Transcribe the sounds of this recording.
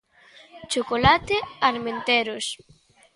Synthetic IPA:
t͡ʃokolat̪eaɾment̪eɾos

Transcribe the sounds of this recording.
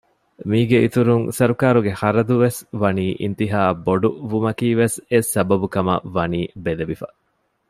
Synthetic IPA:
miːɡeit̪uɾuŋsɐɾukaːɾuɡehɐɾɐd̪uʋesʋɐniːʔḭnt̪iɦaːboɖuʋumɐkiːʋesesɐbɐbukɐmɐ̰ʋɐniːbeleʋifɐ̰

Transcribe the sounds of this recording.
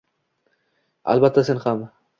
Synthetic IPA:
a̰lbat̪ʰːase̞nχam

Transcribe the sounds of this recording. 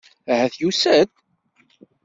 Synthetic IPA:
æhæθjusæt̪

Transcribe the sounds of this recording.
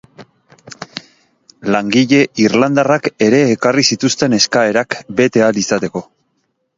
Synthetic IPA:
laŋɡiʎe̞irland̪arake̞ɾe̞ːkarisit̪ust̪e̞ne̞skae̞ɾakbe̞t̪e̞alisat̪e̞ko̞

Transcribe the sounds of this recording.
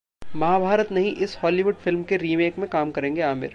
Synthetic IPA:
mɐɦabʱaːɾət̪nɐɦĩʔɪshɔːliʋʊɖfɪlmkeɾiːmeːkmẽkaːmkɐɾẽːŋɡeaːmɪ̰ɾ

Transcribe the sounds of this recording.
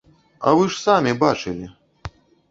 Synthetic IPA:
ɐ̰vɨʂsamʲibat͡ʂɨlʲi

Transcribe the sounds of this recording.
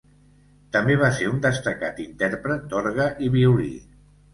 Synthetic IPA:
t̪əmbeβ̞aseɾund̪əst̪əkat̪int̪ɛɾpɾət̪̚d̪ɔɾɣəʔiβiuɾḭ

